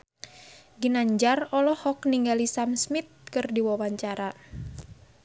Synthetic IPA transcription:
ɡinaɲd͡ʒarɔlɔhɔkniŋɡalisamsmit̪̚kɨrdiwawaɲt͡ʃaɾa

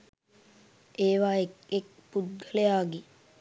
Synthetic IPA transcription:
eːʋaːekek̚pud̪̚ɡʱəlejaːɡi

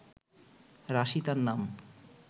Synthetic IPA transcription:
ɾaʃit̪aɾnam

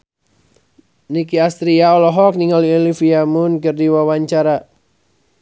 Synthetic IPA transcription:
nikiast̪ɾiaɔlɔɦɔk̚niŋaliolifiamʊnkɨrdiwawaɲt͡ʃaɾa

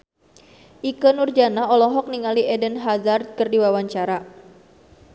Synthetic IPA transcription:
ʔikənurd͡ʒanaɔlɔɦɔk̚niŋaliɛdənɦazar̚kərdiwawaɲt͡ʃaɾa

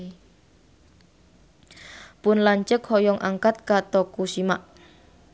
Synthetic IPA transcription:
pʊnlaɲt͡ʃəkhɔjɔŋʔa̰ŋkat̪̚kat̪ɔkusimaʔ

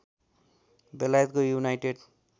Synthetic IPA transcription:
belajet̪kojunajʈeɖ

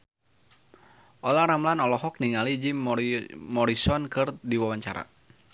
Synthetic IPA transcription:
ʔɔlaɾamlanɔlɔɦɔk̚niŋalid͡ʒimmɔɾisɔnkɨrdiwawaɲt͡ʃa̰ɾa̰

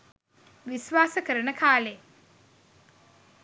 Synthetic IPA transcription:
ʋiʃʋaːsəkəɾənəkʰaːle

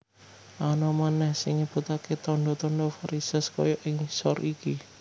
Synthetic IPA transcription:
ʔanɔmanɛhsɪŋːib̥ut̪aket̪ɔɳɖɔt̪ɔnɖɔfaɾisəskɔ̰jɔʔɪŋsɔriki

